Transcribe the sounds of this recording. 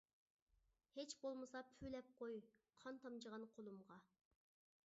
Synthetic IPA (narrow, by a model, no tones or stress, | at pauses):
het͡ʃbolˠmɨsɑpʰylɛp̚qʰojqʰɑnt̪ʰɑmd͡ʒəʁɑnqʰolˠumʁɑ